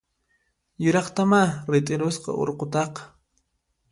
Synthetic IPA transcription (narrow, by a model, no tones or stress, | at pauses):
jʊɾɑχt̪amaɾɪt̪ʼɪɾosqɑ̰o̰ɾqot̪ɑqɑ̥